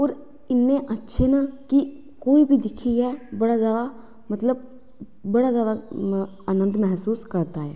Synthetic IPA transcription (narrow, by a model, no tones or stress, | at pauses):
oːɾ | ɪnːẽːʔətːʃʰeːnaːkɪ | koːiːbʱiːd̪ɪkʰiɛːbəɽaːzjaːd̪aː | mət̪ləb̚ː | əɽaːzjaːd̪a | aːnə̃nd̪mɛɦsuːskəɾd̪aːɦɛː